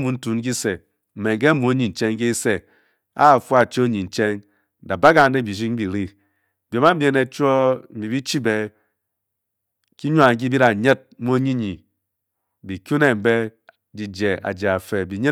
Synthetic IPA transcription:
mu˨n̩˦tu˨n̩˦k̬i˦se˨ | m̩˨me˨ŋ˨k̬e˦mu˨o˦ɲi˨n̩˨t͡ʃe˦ŋ˦ke˦i˦se˨ | a̰˦˨fu˦a˨t͡ʃe˦o˦ɲi˨n̩˨t͡ʃe˦ŋ˨ | da˨ba˦ɡa˨n̩˦de˦˨bi˨ʃ̬i˦ŋ˦bi˨ɾi˦˨ | bjo˨˦ma˦m̩˦bʲje˦ne˨t͡ʃʷo˦m̩˨bi˨bi˦t͡ʃi˦be˨ | ki˦ɲu˦a˨ŋ˦k̬i˦bi˦ɾa˨ɲe˦t̚mu˦o˦ɲi˦ɲi˨ | bi˨kʲu˦ne˨m̩˨be˦ | d͡ʒi˨d͡ʒe˨a̰˨d͡ʒe˨a˨fe˨bi˨ɲe˦

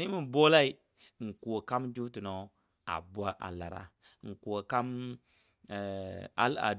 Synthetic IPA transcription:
ni˦mi˨bo˦la˦i˦˨ | ŋ̩˨ku˨o˨ka˦md͡ʒu˦ti˨no˨˦ | a̰˨bʷa˦ʔa̰˨la˨ɾa̰˨˦ŋ̩˨ku˨o˨ka˦m˨ | a̰˦la̰˨

